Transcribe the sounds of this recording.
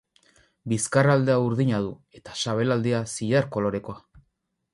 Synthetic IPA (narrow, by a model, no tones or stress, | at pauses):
biskarald̪e̞auɾðiɲað̞ue̞t̪ḁsaβ̞e̞lald̪iasiʎaɾko̞lo̞ɾe̞ko̞a